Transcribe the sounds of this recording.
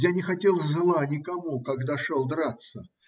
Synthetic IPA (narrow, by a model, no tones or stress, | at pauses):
janʲɪxɐtʲelˠzɨlˠanʲɪkɐmukɐɡd̪aʂolˠd̪ɾat̪sə